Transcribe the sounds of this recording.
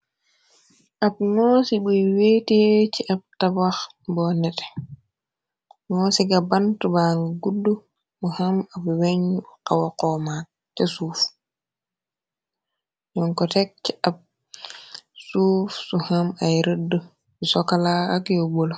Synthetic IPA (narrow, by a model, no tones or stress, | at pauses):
ʔab̚ŋɔsibujweːtet͡ʃiʔab̚tabax | bɔnɛtɛ̥ | ŋɔsiɡabantubaŋɡɡudːu | muhamabweɲqawakɔma | tɛsuːf | jɔŋkɔtɛk̚t͡ʃab̚ | sufsuhamajɾədːə | usɔkalaakjɔbol